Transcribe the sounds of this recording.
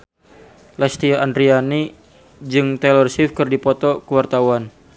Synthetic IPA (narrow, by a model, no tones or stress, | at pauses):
lɛst̪iaʔandɾiani | d͡ʒɨŋt̪ɛlərsifkɨrdipɔt̪ɔkəwart̪awan